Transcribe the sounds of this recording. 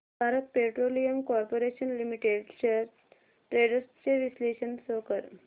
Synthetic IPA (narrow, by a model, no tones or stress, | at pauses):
bʱaɾət̪̚peʈɾolijəmkɔɾpoɾeɕənlimiʈeɖɕeɾ | ʈɾeɖəɾst͡ɕeʋisleɕənsokəɾ